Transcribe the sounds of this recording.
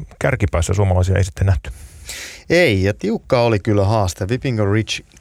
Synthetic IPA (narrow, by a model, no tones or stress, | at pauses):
kærkipæˑːsːæ̰suomɑlɑˑisiɑ̰ḛisit̪ːenæht̪y̥ | eijɑt̪iukːɑːolikylːæɦɑːst̪eʋipiŋɡorit͡ʃ